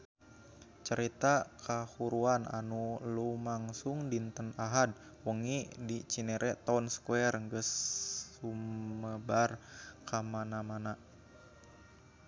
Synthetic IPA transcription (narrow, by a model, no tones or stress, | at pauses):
t͡ʃəɾit̪akʰahuɾuana̰nulumaŋsuŋdint̪ənaɦad̚ | wəŋidit͡ʃineɾʔɛʔt̪aunsə̥kuɛrŋɡəsː | uməbarkʰamanamana